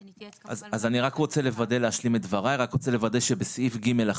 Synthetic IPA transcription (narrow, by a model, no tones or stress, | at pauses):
aazaniʁakʁot͡se̞le̞vad̪e̞leaʃlimetdvaʁaniʁakʁot͡se̞le̞vad̪e̞ʃebesifɡime̞la